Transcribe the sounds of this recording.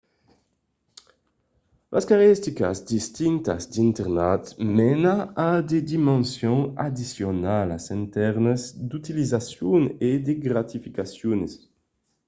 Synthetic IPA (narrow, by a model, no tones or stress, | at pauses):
lʔa̰skaʁɛst̪ika̰zd̪ist̪iŋt̪a̰zd̪int̪ɛʁnat̪mɛnaad̪ed̪imɑ̃nsjɔ̃ŋad̪isjonala̰sɛ̃nt̪ɛʁnəzd̪ut̪ilizasjuŋed̪eɡɾat̪ifikasjunes